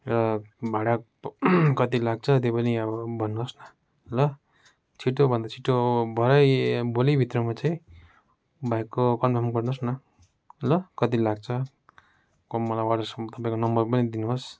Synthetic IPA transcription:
eɾabʱaɽa | kʌt̪ilaɡ̚t͡sʰʌt̪̬jepʌniʌbʌbʱʌnːuɦosnʌ | lʌ | t͡sʰiʈobʱʌnd̪at͡sʰiʈːobʱʌɾʌjbolibʱit̪rʌmat͡saĩ | bʱajkːokʌnbʱamkʌrnosnʌ | lʌkʌt̪ilaɡ̚t͡sʰʌ | kʌmʌlajwaʈʌsʌt̪ʌpãĩkonʌmbʌrpʌnid̪inuɦos

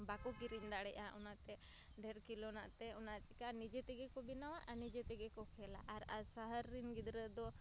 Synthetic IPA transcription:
bakɔkiɾind̪aɽɛʔaunaʔt̪ɛ | ɖeɾkilonaʔt̪ɛunat͡ʃikanid͡ʒet̪ɛɡekɔbinawaʔanid͡ʒet̪ɛɡekɔkʰɛla̰ʔaɾasaɦəɾːinɡid̪ɾəd̪ɔ

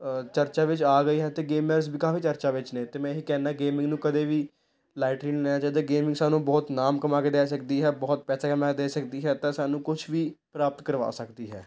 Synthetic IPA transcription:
t͡ʃəɾt͡ʃaːʋɪt͡ʃaːɡəiːɦɛːt̪eːɡeːməɾsbʱiːkaːfiːt͡ʃəɾt͡ʃaːʋɪt͡ʃnẽːt̪eːmɛ̃ːɦiːkɛːnaːɡeːmɪ̃ŋɡnũːkəd̪eːʋiː | laːɪʈɾiːnleːnãːt͡ʃaːiːd̪aːɡeːmɪ̃ŋsaːnũːbɔːt̪naːmkəmaːkeːd̪ɛːs̬əkd̪iːɦɛːbɔːt̪̚pɛːsaːkəmaːked̪eːsəkd̪iːɦɛːt̪ãːsaːnũːkʊt͡ʃʰʋiːpɾaːpət̪kəɾʋa̰ːsəkd̪iːɦɛ̰ː

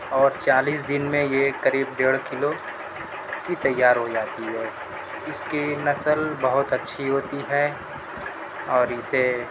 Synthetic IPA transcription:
ɔːɾt͡ʃaːliːsd̪ɪnmẽjekɐɾiːbɖeːɽkɪlo | kit̪ɐjːaːɾɦod͡ʒaːt̪iɦɛː | ɪskinɐsəlbɐɦʊt̪ɐtːʃʰiɦoːt̪iɦɛː | ɔːɾɪse

